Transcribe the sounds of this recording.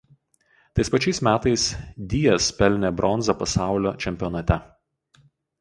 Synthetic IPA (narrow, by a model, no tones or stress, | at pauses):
t̪ɐɪspɐt͡ʃʲɛɪsmʲæːt̪ɐɪsd̪ʲiːjɛspʲɛlʲnʲɛbɾʔɔnzɐpɐsɑˑʊlʲoːt͡ʃʲɛmʲpʲɪɔnɐt̪ʲɛ